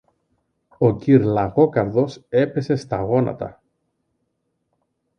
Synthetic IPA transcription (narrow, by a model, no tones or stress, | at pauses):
o̞ciɾlɐɣo̞kɐɾðo̞se̞pe̞se̞st̪ɐɣo̞nɐ̰t̪ɐ̰